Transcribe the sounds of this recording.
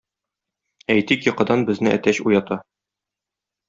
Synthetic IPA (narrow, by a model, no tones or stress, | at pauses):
æjt̪ikjɤ̆qɤ̆d̪ɑnbɘ̆znɘʔæ̰t̪æɕujɑt̪ɑ